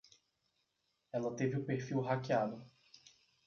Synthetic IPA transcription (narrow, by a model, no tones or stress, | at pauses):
ɛlɐt̪evɪʊpeɾfiwɦakiad̪ʊ